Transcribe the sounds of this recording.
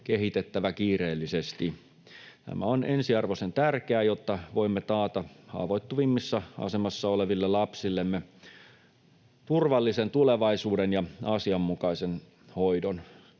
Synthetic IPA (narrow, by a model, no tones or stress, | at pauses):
keɦit̪et̪ːæʋækiːreːlːisest̪i | t̪æ̰mæ̰onʔensiɑrʋosent̪ærkeæjot̪ːɑʋoimːet̪ɑːt̪ɑhɑ̰ːʋoit̪ːuʋimːisːɑɑ̰semɑsːɑoleʋilːelɑpsilːemːe | t̪urʋɑlːisent̪uleʋɑisuːdenjɑɑsiɑmːukɑisen | hoidon